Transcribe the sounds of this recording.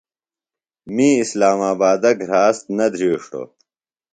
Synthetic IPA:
miːislaːmaːbaːd̪ɐkɾaːst̪nɐd̪ʱɾiːʂʈo̰

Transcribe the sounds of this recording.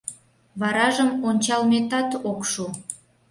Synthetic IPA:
βɑɾɑʒəmonʲt͡ɕɑlmet̪ɑt̪okʃu

